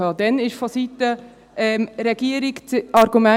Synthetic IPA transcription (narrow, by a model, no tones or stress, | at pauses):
ɑːd̥̪ɛnɪʃfɔsitə | ɛmɾɛɡ̥iəɾikt͡sɑɾɡumæ